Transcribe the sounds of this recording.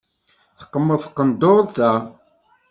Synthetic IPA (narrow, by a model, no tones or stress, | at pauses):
θə̥qːəmːəðˤθqːənd̪oɾˤθæ